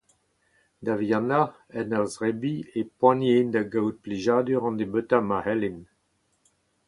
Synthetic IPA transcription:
d̪avjana | ɛnaʁzʁɛbiepwãnend̪aɡawt̪̚pleʒaːd̪yʁɑ̃nd̪ebøt̪amahɛlen

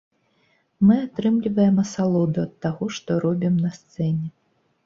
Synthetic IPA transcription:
mɨat̪ɾɨmlʲivɐjɛmɐsalˠɔd̪uɐt̪ːaɣɔʂt̪ɔɾɔbʲimnɐst̪sɛnʲɛ

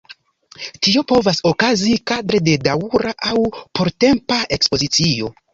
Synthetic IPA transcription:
tio̞po̞vaso̞kazikadɾe̞de̞dauɾaʔawpo̞ɾte̞mpae̞kspo̞zit͡sio̞

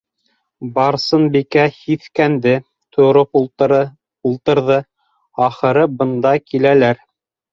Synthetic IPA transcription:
bɑɾsɤnbikæhiθkænd̪ɘ | t̪ʰŭɾop | ulˠt̪ɤ̆ɾðɤ | ɑχɤ̆ɾɤbɤ̆nd̪ɑkilælæɾ

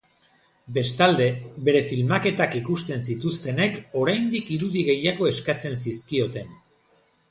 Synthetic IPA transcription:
be̞st̪ald̪e̞βe̞ɾe̞filmake̞t̪akikust̪e̞nsit̪ust̪e̞ne̞ko̞ɾajnd̪ikiɾuðiɣe̞jaɣ̞o̞e̞skat͡se̞nsiskio̞t̪e̞n

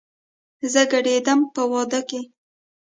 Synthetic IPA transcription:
zəɡaɽed̪əmpəwɑd̪əke

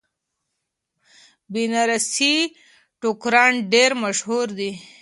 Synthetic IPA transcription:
binaɾasi | ʈukɾɑnɖeɾmaʃhuɾd̪i

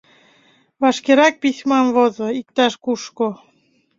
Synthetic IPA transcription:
βɑʃkeɾɑk̚pisʲmɑmvozŏik̚t̪ɑʃkuʃko

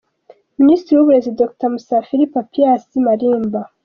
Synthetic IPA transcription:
ministɾiwuβuɾezidoktamusafiɾipapiasimaɾiːmba

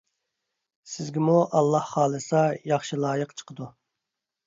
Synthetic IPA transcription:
sɪzɡʲimuʔɑlˠːɑhːɑːlˠɨsɑjɑχʃilˠɑːjəqt͡ʃʰə̥qʰəd̪u

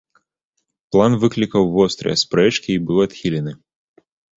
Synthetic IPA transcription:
plˠanvɨklʲikɐwvɔst̪ɾɨ̰jɐ̰spɾɛt͡ʂkʲiːbɨwɐt̪xʲilʲɛnɨ

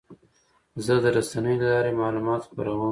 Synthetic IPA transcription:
zəd̪əɾasanəjolalɑɾemɑːlumɑt̪xpa̰ɾawə

